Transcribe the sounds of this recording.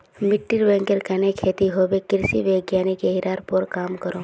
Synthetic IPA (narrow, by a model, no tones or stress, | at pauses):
mɪʈːiɾʋɛ̃ŋkəɾkɛnekʰːeːt̪iɦobekɪɾsiʋeɡjaːnikeɦiɾaːɾpɔɾkaːmkəɾo